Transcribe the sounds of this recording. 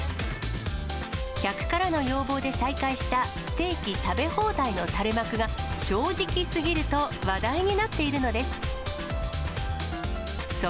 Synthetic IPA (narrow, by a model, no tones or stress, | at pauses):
kʲakɯ̟̥kaɾano̞jo̞ːbo̞ːd̪e̞saikaiɕi̥t̪asɨ̥t̪e̞ːkʲit̪abe̞ho̞ːd̪aino̞t̪aɾe̞makɯ̟ɡaɕo̞ːʑikʲisɨɡʲiɾɯ̟t̪o̞βad̪aiɲ̟inat̪ːe̞iɾɯ̟no̞d̪e̞sɨ̥ | s